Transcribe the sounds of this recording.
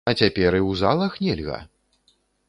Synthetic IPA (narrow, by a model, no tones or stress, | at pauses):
ɐt͡sʲapʲɛɾɨwzalˠɐxnʲɛlʲɣɐ̰